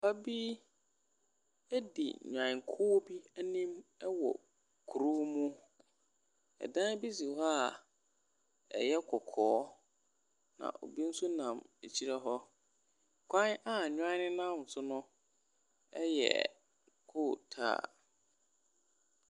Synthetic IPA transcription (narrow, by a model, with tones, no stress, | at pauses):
pa˦bi˦ | æ˦dḭ˨ɲᶣ˨ã˨ŋ˨kʰʊ˦bi˦æ˦nĩ˦mɛ˦wɔ̰˨ | kʰu˨ɾo˦mũ˦ | ɛ̰˨dã˦bi˦si˨ɔ˦a˦˨ | ɛ̰˨jɛ˦kʰɔ˨kʰɔː˨˦ | nã̰˨ʔo̰˨bi˦n̩˦sʊ˦nã˨me˨t͡ɕʰi˦ɾa˦ɦɔ˦ | kʷʰã˦na˦ɲᶣ˦ã˦nɪ̃˦nã˦m˨n̩˨sʊ˦nʊ̃˦ | ɛ˦jɛ̰˨ | kʰʊ˦˨tʰa̰ː˦˨